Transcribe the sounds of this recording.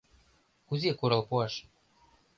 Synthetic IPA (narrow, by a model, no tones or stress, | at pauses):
uzʲekuɾɤlpuɑʃ